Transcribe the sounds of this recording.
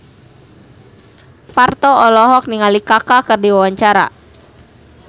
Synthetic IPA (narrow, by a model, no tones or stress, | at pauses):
part̪ɔɔlɔɦɔk̚niŋalikakakɨrdiwawaɲt͡ʃaɾa̰